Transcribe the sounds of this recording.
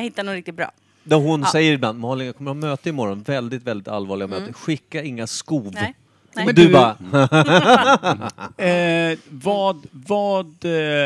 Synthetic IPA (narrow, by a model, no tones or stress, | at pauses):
hɪt̪ːanoːɾɪk̚t̪ɪt̪̚bɾɑ̰ː | d̪ɔɦʊnsɛjːəɾɪblanːmɑːlɪnjakʰɔmːəɾhɑmøːt̪əɪmɔɾɔnvɛld̪ɪt̪vɛld̪ɪt̪a̰lvɑːɭɪɡamøːt̪əɧɪkːaɪŋːaskuːv | d̪ɵa | vɑːd̪vɑːd̪